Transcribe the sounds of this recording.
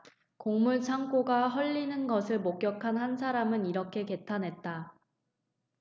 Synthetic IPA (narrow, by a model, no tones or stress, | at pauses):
koŋmuɭt͡ɕʰaŋk͈oɡaɦʌʎːinɯnɡʌsʰɯɭmok̚k͈jʌkʰanhansʰaɾamɯniɾʌkʰe̞ke̞tʰanɦe̞t̚t͈a